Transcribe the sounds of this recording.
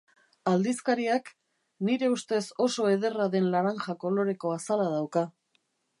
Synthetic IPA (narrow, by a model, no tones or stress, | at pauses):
ald̪iskaɾiak | niɾe̞ust̪e̞so̞so̞e̞ð̞e̞raðe̞nlaɾaŋʝako̞lo̞ɾe̞ko̞asalað̞awka